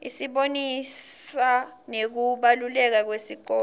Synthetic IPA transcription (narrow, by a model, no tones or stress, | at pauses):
isiɓonissa | nek̬uɓalulɛk̬ak̬wesiǃɔː